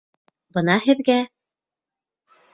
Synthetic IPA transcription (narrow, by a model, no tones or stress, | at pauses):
bɤ̆nɑhɘ̆ðɡæ